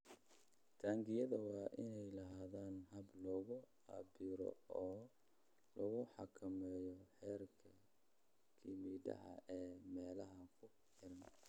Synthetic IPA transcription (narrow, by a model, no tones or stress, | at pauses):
t̪ʰaːŋɡɪjɐðɐwɑːʔɪnɛjlɐɦaːðaːnɦɐblɔɣʊ | abɪɾɔ̰ɔː | lɔɣʊħɑkʰɐmɛːjɔħɛːrkʰɐ | kʰɪmiːdɐ̰ɦɐ̰ɛːmɛːlɐɦɐkʰʊ | ħɪɾɐn